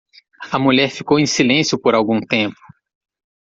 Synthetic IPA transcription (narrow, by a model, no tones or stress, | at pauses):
ɐmuʎɛɾfikowẽj̃silẽsjʊpoɾawɡũt̪ẽmpʊ̥